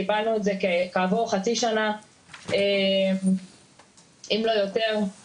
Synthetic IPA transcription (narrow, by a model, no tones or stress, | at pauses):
ibalnuezekekaːvoʁχat͡siʃana | em | imlo̞jote̞ʁ